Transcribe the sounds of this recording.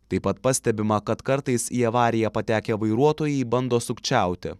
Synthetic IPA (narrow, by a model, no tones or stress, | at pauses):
t̪ɐɪpɐt̪pɑsʲt̪ʲɛbʲɪmɐkɐt̪kɐɾt̪ɐɪsiːɐʋɑːɾʲɪjɛpɐt̪ʲæːkʲeʋɐɪɾuɔt̪oːjɛɪbɐnd̪oːsʊkt͡ʃʲæˑʊt̪ʲɪ̰